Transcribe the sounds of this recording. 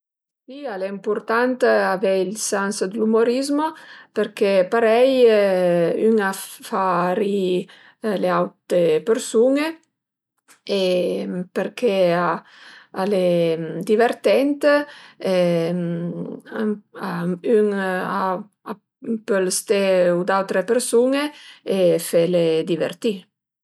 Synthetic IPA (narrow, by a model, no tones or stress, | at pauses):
sialeimpuɾt̪ant̪avɛilsansd̪lumoɾizmopeɾkepaɾɛj | yŋafaɾi | leawt̪epeɾsuŋe | epeɾkʰea | aled̪iveɾt̪ɛnt̪ | aayŋa | a | pelst̪eud̪awt̪ɾepeɾsuŋeefeled̪ivḛɾt̪i